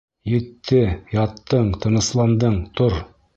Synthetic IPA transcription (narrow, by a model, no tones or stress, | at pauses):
jɘ̆t̪ːɘjɑt̪ːɤɴt̪ʰɤ̆nɤ̆slˠɑnd̪ɤɴt̪oɾ